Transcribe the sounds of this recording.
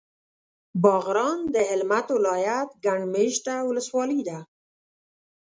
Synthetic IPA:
bɑɣɾɑnd̪əɪlmat̪wɪlɑjat̪ɡaɳmeʃʈawʊləswɑlid̪a

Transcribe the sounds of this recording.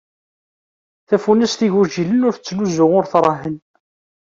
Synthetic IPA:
θæfunæst̪iʝuʒilənʊɾθət͡sːnuzʊʁʊɾθɾˤɑɦən

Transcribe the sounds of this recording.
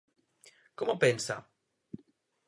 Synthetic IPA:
komopɛnsa̰

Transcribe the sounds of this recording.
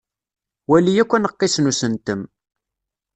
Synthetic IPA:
wælijækʷːænəqːɪsnusənt̪əm

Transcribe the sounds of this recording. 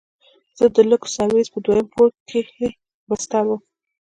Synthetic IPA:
z̥əd̪ələko̥sɑɾwezpəd̪wajəmpoɽkʰee | bəst̪awum

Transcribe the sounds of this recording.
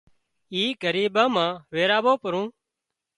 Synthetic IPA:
iːɡʱəɾiːɓãːmãːʋeːɾaːʋoːpəɾũː

